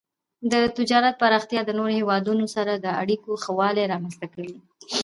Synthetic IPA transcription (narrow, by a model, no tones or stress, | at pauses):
d̪ət̪ɪd͡ʒɑɾat̪̚paɾɑxt̪jɑd̪ənoɾohewɑd̪unosaɾad̪əa̰ɽikoxawɑleɾɑmanst̪akəwi